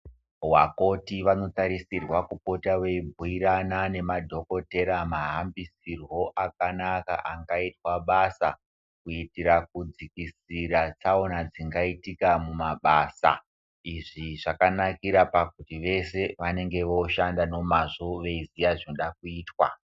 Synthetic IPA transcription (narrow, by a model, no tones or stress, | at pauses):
wako̞tiʋano̞taɾisirwakupo̞tawe̞ibʱuiɾanane̞madʱoko̞te̞ɾamaɦambisirwo̞ʔak̚anaka̰ʔaŋɡaitwaɓasa | kuitiɾak̚ud͡zikisiɾat͡saonad͡ziŋɡaitikamumaɓaːsa̰ | iʐiʐakanakiɾapakutiʋe̞se̞ʋane̞ŋɡe̞ʋo̞ʃandano̞maʐoʋe̞izijaʐinoɗakuiːtwa̰